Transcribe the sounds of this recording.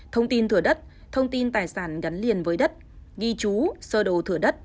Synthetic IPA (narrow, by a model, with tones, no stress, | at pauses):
t̪ʰə˧wŋ͡mt̪i˧nt̪ʰɨ˧˩əɗə˦˥t̚ | t̪ʰə˧wŋ͡mt̪i˧nt̪aː˨˩jsaː˧˩nɣa˨˦nli˨˩ənvəː˨˦jɗə˦˥t̚ | ɣi˧t͡ɕu˨˦səː˧ɗo˨˩wt̪ʰɨ˧˩əɗə˦˥t̚